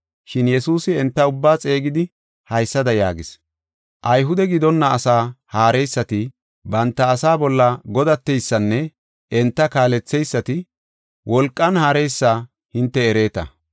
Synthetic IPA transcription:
ʃɪnjɛsuːsɪɛnt̪ːɐʊbːaːt͡sʼe̞ːɡɪd̪ɪ | hɐjsːɐd̪ɐja̰ːɡɪs | ʔɐjɦʊd̪ɛɡɪd̪ɔnːɐːsaːhaːɾɛjsːɐt̪ɪ | bɐnt̪ːɐːsaːbɔlːɐɡɔd̪ɐt̪ːɛjsːɐnːɛ | ɛnt̪ːɐkaːlɛt͡sːɛjsːɐt̪ɪ | wʔɔlkʼːɐnhaːɾɛjsːaː | hɪnt̪ːɛːɾe̞ːt̪ɐ̰

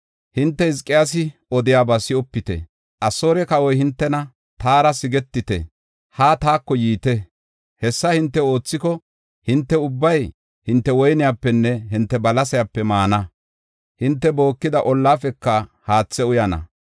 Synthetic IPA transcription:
hɪnt̪ːɛhɪskʼːɪjas̬ɪɔd̪ɪjaːbasɪɔpːɪt̪ɛ̰ | ʔɐsoːɾɛkɐwɔjhɪnt̪ːɛnɐ | t̪aːɾɐsɪɡɛt̪ːɪt̪ɛ̰ | haːt̪aːkːɔjiːt̪ɛ | hɛsːɐhɪnt̪ːɛo̞ːt͡sːɪkɔ | hɪnt̪ːɛʊbːɐj | hɪnt̪ːɛwɔjnɪjaːpːɛnːɛɦɪnt̪ːɛbɐlɐsɐjapːɛmaːnɐ | hɪnt̪ːɛbo̞ːkːɪd̪ɐʔɔlːaːfɛkːɐhaːt͡sːɛʊjɐnɐ̰

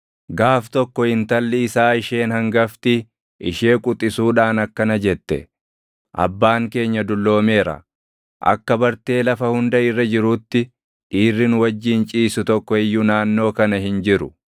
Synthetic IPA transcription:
ɡaːft̪ɔkːɔhɪnt̪ɐlːɪɪsaːɪʃe̞ːnhɐŋɡɐft̪ɪ | ʔɪʃeːkʼʊt̪ʼːɪsuːᶑaːnɐkːɐnɐd͡ʒɛt̪ːɛ̰ | ʔɐ̰bːaːŋke̞ːɲːɐd̪ʊlːo̞ːme̞ːɾɐ̰ | ʔɐ̰kːɐbɐɾt̪e̞ːlɐfɐhʊnd̪ɐɪrːɐd͡ʒɪɾuːt̪ːɪ | ʔiːrːɪnʊwɐd͡ʒːiːnt͡ʃʼiːsʊt̪ɔkːɔɛjːʊnaːnːo̞ːkɐnɐhɪnd͡ʒɪɾʊ

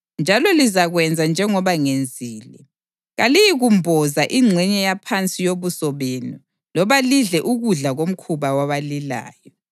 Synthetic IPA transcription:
nd͡ʒʱalɔlizaɣwɛnd͡zʱand͡ʒʱɛŋɔβaŋend͡zʱiːlɛ̰ | ɣalijiɣumbʱɔzaʔiŋ͡ǀʱɛɲɛjapʰant͡sʼijoβusɔβenu | lɔβaliɮɛʔuɣuɮaɣom̩kʰuβawaβalila̰ːjɔ

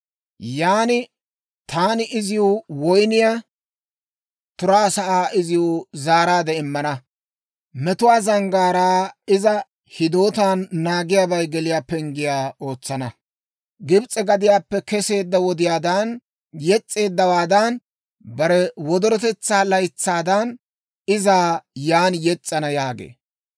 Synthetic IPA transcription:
jaːnɪ | t̪aːnɪʔɪzɪjuwɔjnɪjaː | t̪ʊɾaːsɐʔaːʔɪzɪjʊzaːɾaːd̪ɛɪmːɐnɐ | mɛt̪ʊwaːzɐŋɡaːɾaːɪzɐ | hɪd̪o̞ːt̪aːnːaːɡɪjaːbɐjɡɛlɪjaːpːɛŋɡɪjaːo̞ːt͡sːɐnɐ | ɡɪbt͡sʼɛɡɐd̪ɪjaːpːɛkɛse̞ːd̪ːɐwɔd̪ɪjaːd̪ɐn | jɛt͡sʼːe̞ːd̪ːɐwaːd̪ɐn | bɐɾɛwɔd̪ɔɾɔt̪ɛt͡sːaːlɐjt͡sːaːd̪ɐn | ɪzaːjaːnjɛt͡sʼːɐnɐjaːɡḛː

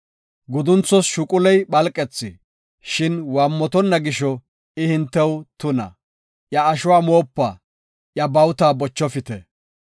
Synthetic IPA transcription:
ɡʊd̪ʊnt͡sːɔsʃʊkʼʊlɛjɓɐlkʼɛt͡sːɪ | ʃɪnwaːmːɔt̪ɔnːɐɡɪʃɔ | ɪhɪnt̪ːɛwt̪ʊnɐ̰ | ʔjɐːʃʊwaːmoːpːaː | ʔjɐbɐwt̪aːbɔt͡ʃːɔfɪt̪ɛ

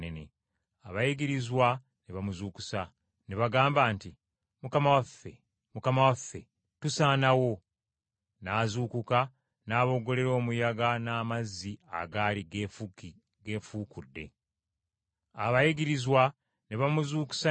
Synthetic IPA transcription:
nenḛ | aβajiɡiɾizwa | neβamuzuːku̥sa | neβaɡaːmbaːnti | mukamawafːe̞̰ | mukamawafːe̞̰ | tusaːnawo̞ | naːzuːkuka | naːβo̞ɡo̞le̞ɾo̞ːmujaɡanaːmazːia̰ɡaːliɡ | ɡe̞fuːkudːe̞̰ | a̰βajiɡiɾizwa | neβamuzuːku̥sa

